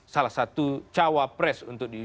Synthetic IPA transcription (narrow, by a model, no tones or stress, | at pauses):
salahsat̪ut͡ʃawapɾɛsunt̪ʊk̚di